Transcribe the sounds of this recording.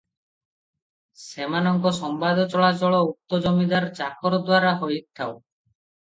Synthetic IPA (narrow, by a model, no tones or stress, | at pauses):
semanɔŋkɔsɔmbad̪ʱɔt͡ʃɔɭat͡ʃɔɭɔut̪ːɔd͡ʒɔmid̪aɾt͡ʃakɔɾɔd̪waɾaɦojik̚t̪ʰaw